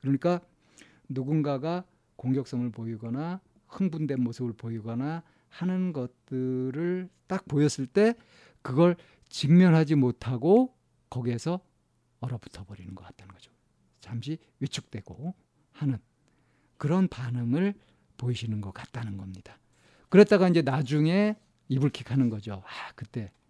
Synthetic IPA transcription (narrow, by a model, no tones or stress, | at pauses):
kɯɾʌɲik͈a | nuɡunɡaɡa | koŋɡjʌk̚s͈ʌŋɯɭpoiɡʌna | hɯŋbundwe̞nmosʰɯbɯɭpoiɡʌna | hanɯnɡʌt̚t͈ɯɾɯɭt͈ak̚pojʌs͈ɯɭt͈e̞ | kɯɡʌɭ | t͡ɕimmjʌnɦad͡ʑimotʰaɡo | kʌɡiɦe̞sʰʌ | ʌɾʌbu̥tʰʌbʌɾinɯnɡʌkat͈ʰanɯnɡʌd͡ʑo̥ | t͡ɕamɕ̬ʰi | ɥit͡ɕʰuk̚t͈we̞ɡ̥o | hanɯn | kɯɾʌnpanɯŋɯɭ | poiɕʰinɯnɡʌk͈at̚t͈anɯnɡʌmɲid̥a | kɯɾe̞t͈aɣaind͡ʑe̞nad͡ʑuŋe̞ | ibuɭkʰikʰanɯnɡʌd͡ʑoakɯt͈e̞